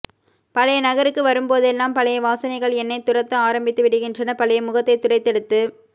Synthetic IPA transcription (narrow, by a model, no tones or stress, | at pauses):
pɐlɐjɐnɐɣɐɾɯkːɯʋɐɾɯmpoːðɛlːaːmpɐɭɐjɐʋaːsɐnɐɪɣɐɭɛnːɐɪt̪ːʊrɐt̪ːɐ̃aːɾɐmbɪt̪ːɯʋɪɽɯɣɪndrɐnɐpɐɭɐjɐmʊɣɐt̪ːɐɪt̪ːʊɽɐɪt̪ːɛɽɯt̪ːɯ